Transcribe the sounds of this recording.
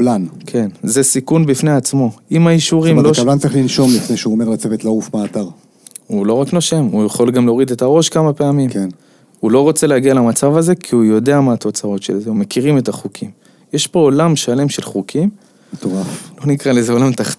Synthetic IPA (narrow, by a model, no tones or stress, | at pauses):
blankʰe̞nzesikunbifneat͡smo̞ʔimaiʃuʁimlokblantt͡saʁiχlinʃo̞mlifnejʃeuomeʁlat͡sevet̪laufmeaːt̪aʁ | ulo̞ʁakno̞ʃe̞mujaχo̞lɡamleo̞ʁide̞t̪aʁo̞ʃkamape̞amimn | ulo̞ʁo̞t͡se̞leaɡialamat͡savaze̞kʰiujo̞de̞amaːt̪o̞t͡sao̞tʃelzeume̞kiʁime̞taχukʰim | jeʃbo̞olamʃale̞mʃe̞lχukʰim | et̪oʁaflo̞nikʁalezeo̞lamt̪aχ